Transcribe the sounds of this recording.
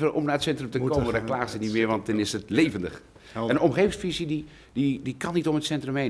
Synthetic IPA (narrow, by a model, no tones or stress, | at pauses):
əɔmnaːətsɛntrəmtəkoməndɔklaːχəsənitmɪəɹʋɑnt̚ɪnɪsətleːvəndəx | ɛnənomχeːvɪŋsfizidi | didikɑnːitomətsɛntrəmɦeːn